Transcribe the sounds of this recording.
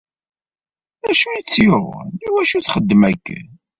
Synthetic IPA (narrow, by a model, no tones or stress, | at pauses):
æʃujit͡sːjoʁiwæʃuθχəd̪ːmækː